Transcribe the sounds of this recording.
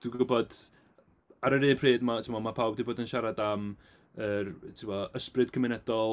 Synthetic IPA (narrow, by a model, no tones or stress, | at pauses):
d̥wiɡʊbɔd | aɾəɾeːpʰreːdmatʰɪmɔmapʰawbdiboːdənʃaɾadam | ərtʰɪmɔəsprɨd̥kʰəmɪnɛdɔlˠ